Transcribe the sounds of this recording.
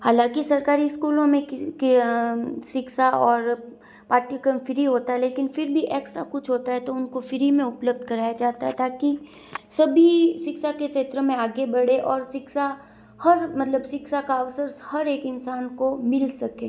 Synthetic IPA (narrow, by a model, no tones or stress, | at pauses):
haːlãkisɐɾkaːɾiskuːlõmẽkk | ʃɪkʃaɔːɾ | paːʈikəmfɪɾiɦoːt̪aɦɛleːkɪnfɪɾbʱiʔeːksʈɾakʊt͡ʃʰɦoːt̪aɦɛt̪oʊnkofɪɾimẽʊpləb̚d̪ʱkɐɾaːjad͡ʒaːt̪aɦɛt̪aːki | sɐbʱiʃɪksakeʃeːt̪ɾəmẽaːɡebɐɽeʔɔːɾsɪksa | hɐɾmɐt̪ləbsɪksakaɐʋsəɾhɐɾeːkɪnsaːnkomɪlsɐkẽː